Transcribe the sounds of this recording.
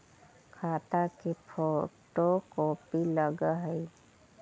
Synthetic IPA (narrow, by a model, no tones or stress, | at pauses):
kʰaːt̪akipʰoːʈokoːpiləɡaɦəi